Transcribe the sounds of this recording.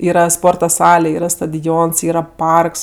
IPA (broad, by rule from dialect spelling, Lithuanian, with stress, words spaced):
ˈiːrɐ ˈspoːrtɐ ˈsɑːlʲɛ ˈiːrɐ stɐdʲoːns ˈiːrɐ ˈpɐrks